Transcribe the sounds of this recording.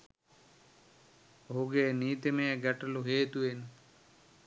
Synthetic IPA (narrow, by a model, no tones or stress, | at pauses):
oɦuɡeːniːt̪emejəɡæʈəluɦeːt̪uʋen